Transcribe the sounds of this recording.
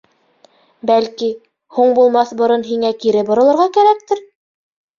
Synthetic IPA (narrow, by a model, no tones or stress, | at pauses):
bælki | huɴbulˠmɑθbŏɾɤnɦiŋækiɾɘbŏɾɤ̆lˠɤ̆ɾʁɑkæɾæk̚t̪ɘɾ